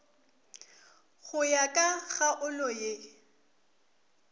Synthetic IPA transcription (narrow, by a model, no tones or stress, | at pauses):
ɣʊjakʼaɣaʔʊlɔje